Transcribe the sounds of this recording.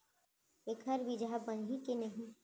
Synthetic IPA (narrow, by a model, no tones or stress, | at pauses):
ekʰəɾʋɪd͡ʒabənɦĩkenɐɦĩ